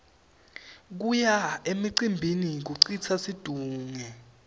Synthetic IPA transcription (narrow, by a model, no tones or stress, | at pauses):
k̬ujaemiǀimbʱinik̬uǀit͡sʰasid̥ʱuːŋɛ